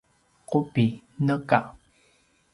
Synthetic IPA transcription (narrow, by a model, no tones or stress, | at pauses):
qopi | nəka